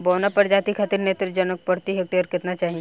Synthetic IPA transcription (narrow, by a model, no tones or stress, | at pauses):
boːnapɐɾd͡ʒat̪ikʰat̪iɾnet̪ɾɪd͡ʒɐnək̚pɐɾt̪iɦek̚t̪iɔɾkɪt̪nat͡ʃaːɦĩ